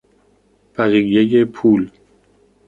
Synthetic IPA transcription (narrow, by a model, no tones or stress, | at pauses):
bæɣijejepʰuːl